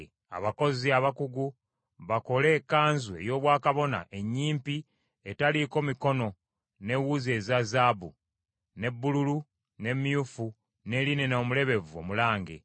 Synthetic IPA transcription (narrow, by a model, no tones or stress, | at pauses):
a̰βako̞ziaβakuɡu | βako̞le̞ːkːaːnzue̞̰jo̞ːβwaːkaβo̞na̰ʔe̞ɲːiːmpi | etaliko̞miko̞no̞ | ne̞wuze̞ːzazabu | ne̞bːululu | ne̞mjufu | ne̞line̞no̞ːmule̞βe̞vuo̰mulaːŋɡḛ